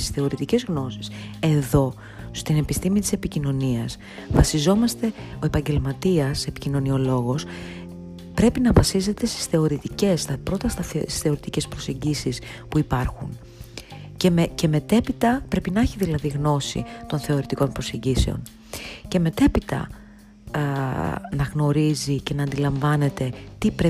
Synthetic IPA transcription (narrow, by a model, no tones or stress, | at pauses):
i̥sθe̞o̞ɾit̪ice̞zɣno̞si̥se̞ðo̞ | st̪ine̞pist̪imit̪ise̞picino̞niɐs | vɐsizo̞mɐst̪e̞ | o̞e̞pɐɲɟe̞lmɐt̪iɐse̞picino̞nio̞lo̞ɣo̞s | pɾe̞pinɐvɐsize̞t̪e̞st̪i̥sθe̞o̞ɾit̪ice̞st̪ɐpɾo̞t̪ɐst̪ɐ̥sθe̞o̞ɾit̪ice̞spɾo̞se̞ɲɟisis | puipɐɾxṵn | cece̞me̞t̪e̞pit̪ɐpɾe̞pinɐçiðilɐðiɣno̞sḭt̪o̞nθe̞oɾit̪iko̞npɾo̞se̞ɲɟise̞o̞̰n | ce̞me̞t̪e̞pit̪ɐ̰ | nɐɣno̞ɾizice̞nɐːnd̪ilɐɱvɐne̞t̪e̞t̪ipɾe